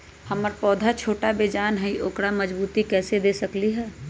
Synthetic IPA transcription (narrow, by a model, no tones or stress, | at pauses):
hɐməɾpɔːd̪ʱat͡ʃʰoːʈabeːd͡ʒaːnɦəĩʔoːkɽamɐd͡ʒbuːt̪ikɛːsed̪eːsɐkliɦɛː